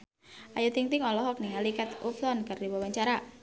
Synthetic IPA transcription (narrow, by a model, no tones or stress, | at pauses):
ʔajut̪iŋt̪ɪŋɔlɔɦɔk̚niŋalikat̪ufsɔnkardiwawaɲt͡ʃaɾa